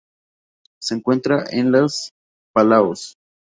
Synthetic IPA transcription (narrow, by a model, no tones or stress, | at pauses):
se̞eːŋkwe̞nt̪ɾaʔenlas | palaos